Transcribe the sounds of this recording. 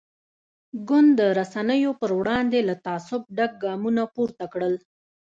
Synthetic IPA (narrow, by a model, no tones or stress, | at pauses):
ɡʊnd̪ːəɾasanəjopəɾwɽɑnd̪elat̪ɑsʊb̚ɖaɡ̚ɡɑmunapuɾt̪akɽəl